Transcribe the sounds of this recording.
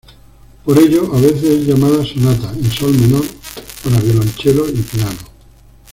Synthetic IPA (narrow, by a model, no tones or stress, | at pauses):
poɾe̞ʎoʔaβ̞e̞θesezʎamaðasonat̪ainsolmẽnoɾpaɾaβjolont͡ʃeloipiano